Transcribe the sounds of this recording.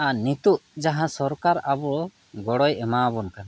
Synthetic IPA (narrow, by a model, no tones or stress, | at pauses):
anit̪uʔd͡ʒaɦãsɔɾkaɾabɔ | ɡɔɽɔjɛmabɔnkan